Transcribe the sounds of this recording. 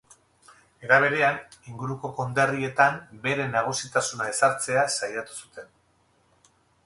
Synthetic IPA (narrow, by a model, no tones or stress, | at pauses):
e̞ɾaβ̞e̞ɾe̞aniŋɡuɾuko̞ko̞nd̪erie̞t̪ambe̞ɾe̞naɣ̞usit̪asunae̞saɾt͡se̞asajat̪u̥sut̪e̞n